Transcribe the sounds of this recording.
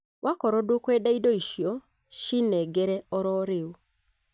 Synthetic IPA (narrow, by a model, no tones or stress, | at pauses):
wakɔɾɔdokwɛdaidɔiʃjɔ | ʃinɛɡɛɾɛɔɾɔɾɪu